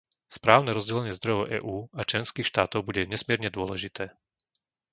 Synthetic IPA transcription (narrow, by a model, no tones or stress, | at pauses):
spɾaːʊnɛɾɔzɟɛlɛɲɪɛzd̪ɾɔjɛʊʔɛ̰ːʔuːat͡ʃlɛnskiːxʃt̪aːt̪ɔʊbuɟɛɲɛsmɪɛɾɲɛd̪ʊɔlɛʒit̪ɛː